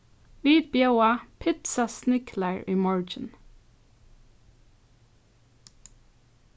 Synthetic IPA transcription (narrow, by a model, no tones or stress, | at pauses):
ʋiːd̪̚bjoʊɑpʰɪt̪sɑsnɪkʰlæɹiːmɔɹd͡ʒən̩